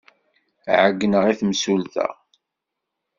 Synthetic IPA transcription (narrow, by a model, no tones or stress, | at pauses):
ʕəɡːnəʁiθmsulθæ̰